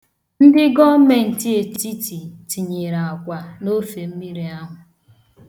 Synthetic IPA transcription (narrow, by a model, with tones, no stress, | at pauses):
n̩˦dɪ˦ɡɔ˦me˨n̩˨ti˦e˨ti˦ti˨ti˨ɲe˨ɾa˨a˨kʷa˨no˦fe˨m̩˦mi˦ɾi˨a˦ɦʊ˨